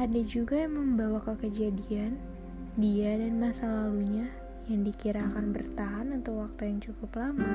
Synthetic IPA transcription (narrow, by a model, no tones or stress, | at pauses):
ʔadad͡ʒuɡajaŋməmbawakəkəd͡ʒadian | diadanmasalaluɲa | jaŋdikiɾakanbərt̪aɦanat̪awwak̚t̪ujaŋt͡ʃukʊplama